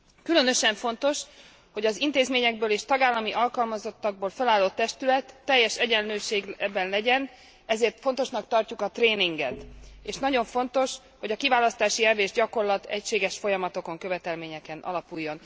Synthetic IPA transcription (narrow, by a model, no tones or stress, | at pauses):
kylø̞nø̞ʃɛɱfo̞nt̪o̞ʃ | ho̞ɟɒzint̪eːzmeːɲɛɡbøːleːʃt̪ɒɡaːlːɒmiʔɒlkɒlmɒzo̞t̪ːɒɡ̚boːlfɛlaːlːoːt̪ːɛʃt̪ylɛt̪ːɛjːɛʃɛɟɛnløːʃeːɡbɛnlɛɟɛn | ɛzeːrt̪fo̞nt̪o̞ʃnɒkt̪ɒrcukɒt̪reːniŋɡɛ̰t̪eːʃnɒɟo̞ɱfo̞nt̪o̞ʃ | ho̞ɟɒkivaːlɒst̪aːʃiɛveːʒɟɒko̞rlɒt̪ɛ̰cʃeːɡɛʃfo̞jɒmɒt̪o̞ko̞ŋkøvɛt̪ɛlmeːɲɛkɛnʔɒ̰lɒpujːo̞n